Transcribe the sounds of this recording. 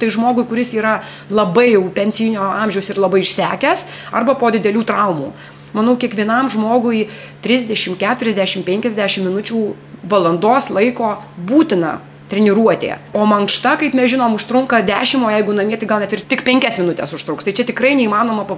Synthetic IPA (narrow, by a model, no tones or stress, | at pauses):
t̪ɐɪʒmoːɡʊɪkʊɾʲɪsiːɾɐ | lˠɐbɐɪjɛʊpʲɛnʲsʲɪnʲoːɐmʲʒʲɛʊsɪrlˠɐbɐɪɪʃʲsʲæːkʲɛsɐrbɐpoːd̪ʲɪd̪ʲɛlʲuːt̪ɾɐʊmṵː | mɐnɐʊkʲiɛkʋʲiɛnɐmʒmoːɡʊɪit̪ʲɾʲɪzʲd̪ʲɛʃʲɪmkʲæːt̪ʊɾʲɛzʲd̪ʲæːʃʲɪmpʲɛŋʲkʲɛzʲd̪ʲæːʃʲɪmːʲɪnʊt͡ʃʲuː | ʋɐlˠɐnd̪oːslˠɐɪkoːbuːt̪ʲɪnɐ̰ | t̪ʲɾʲɛnʲɪɾuɔt̪ʲḛːoːmɐŋkʃt̪ɐkɐɪpmʲɛsʒʲɪnoːmʊʃt̪ɾʊŋkɐd̪ʲæːʃʲɪmoːjɛɪɡʊnɐmʲiɛt̪ʲɐɪɡɐlˠnʲɛt̪ʲɪrtʲɪkpʲɛŋʲkʲɛsmʲɪnʊt̪ʲɛsʊʃt̪ɾʊkst̪ɐɪt͡ʃʲɛt̪ʲɪkɾɐɪnʲɛiːmɑːnoːmɐpɐ